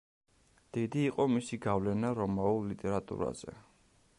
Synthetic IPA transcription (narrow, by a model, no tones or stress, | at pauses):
d̪̥id̪iːqʼɔmisiɡavlɛnaɾɔmaulːit̪ʼɛɾat̪ʼṵɾa̰z̥ɛ̰